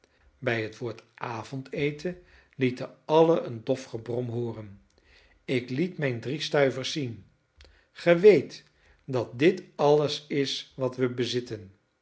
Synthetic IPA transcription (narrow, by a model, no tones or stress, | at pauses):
bɛjɦətʋʊːɹtʔaːvɔntejtʰə | litəɑləʔəndɔfχəbrɔmɦoːrən | ɪklitmɛjndristœɥvəɹsːin | χəʋejt | dɑt̚dɪtɑləsɪsʋɑtʋəbəzɪtən